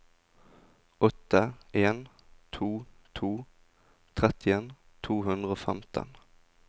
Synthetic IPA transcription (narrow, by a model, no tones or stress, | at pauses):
ɔt̪əʔeːn | t̪ʰuːt̪ʰuː | t̪ʰʁɛt̪ɪən | t̪ʰuːhʉnd̪ʁəoːfɛmt̪ʰə̰n